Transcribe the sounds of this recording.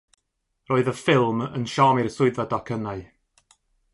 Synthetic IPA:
rɔːɨðəfɪlˠmə̰nʃɔːmirsʊɨðadakʰənaɨ

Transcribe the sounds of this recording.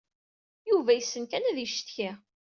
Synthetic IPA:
juvæjəsːənkænæðiʃt̪çi

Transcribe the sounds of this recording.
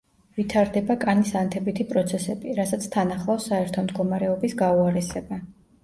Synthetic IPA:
vit̪ʰaɾd̪ɛbakʼanisant̪ʰɛbit̪ʰipʼɾɔt̪sʰɛsɛbiɾasat̪sʰt̪ʰanaχlˠasaɛɾt̪ʰɔmd̪ɡɔmaɾɛɔbisɡauaɾɛsɛba

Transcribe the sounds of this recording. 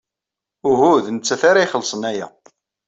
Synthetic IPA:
ʊɦuðnət͡sːæθaɾaiχəlːsˤənæjæ̰

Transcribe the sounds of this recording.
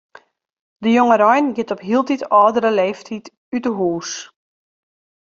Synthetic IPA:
dəjoŋəɾɔjnɡɪtɔpɦiəlˠtitɔːdəɾəleːftʰit | ytəɦuːs

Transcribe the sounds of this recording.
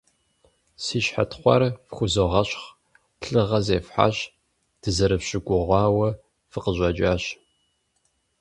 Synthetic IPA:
siːʃħa̰tχʷɐ̰rfxʷʊzoʁɐɕχ | ɬɨʁɐzeːfħa̰ɕ | d̥ɨzɐɾɨfɕɪɡʷʊʁʷɑːwɐ | fɨqəʑʷʼɐd͡ʒʼaːɕ

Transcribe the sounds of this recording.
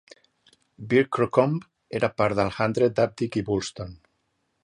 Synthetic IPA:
biɾkːɾokomp | eɾapaɾðalxand̪ɾed̪ap̚t̪ikiβulst̪on

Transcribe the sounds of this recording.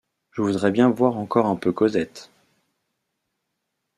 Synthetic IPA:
ʒəvud̪ʁɛbjɛ̃vwaʁɑ̃kɔʁɛ̃pøkɔzɛt̪

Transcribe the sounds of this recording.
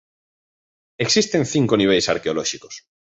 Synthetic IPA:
eksist̪enθiŋkoniβ̞ejsa̰ɾkeolɔʃikos

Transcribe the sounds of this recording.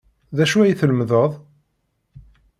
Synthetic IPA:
ðæʃuæjθələmðəðˤ

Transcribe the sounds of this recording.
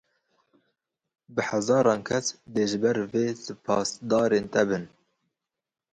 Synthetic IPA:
bɨhæzɑːɾɑːnkʰɛsd̪eːʒɨbɛɾveːsɨpʰɑːsd̪ɑːɾeːnt̪ɛbɨn

